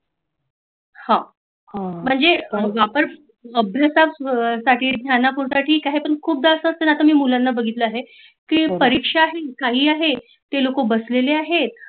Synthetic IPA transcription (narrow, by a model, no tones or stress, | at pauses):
hã | m̤əɳd͡zeʋapəɾ | əbʱjasasaʈiːd̪nʲjanapuɾsaʈʰiːkaɦepəɳkʰuːp̚d̪asəəst̪ənat̪amiːmulanːabəɡʱit̪ləaɦe | kiːpəɾikʂaːɦekaɦiːaɦe | t̪elokobəsleleaɦet̪̚